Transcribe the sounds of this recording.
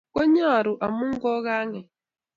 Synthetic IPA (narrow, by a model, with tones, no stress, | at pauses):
ko˦ɲ˦a˦a˨ɾʊ˨ʔa˨mʊ˦ŋ̩˦ɡɔ˦ɣa˦ŋe˨